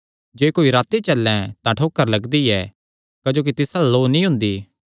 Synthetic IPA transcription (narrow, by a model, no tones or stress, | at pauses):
d͡ʒeːkoːiɾaːt̪et͡ʃɐlːɛ̃t̪ãʈʰoːkːəɾlɐɡd̪iɛ | kɐd͡ʒoːk̬it̪ɪsaloːnĩɦʊ̃nd̪iː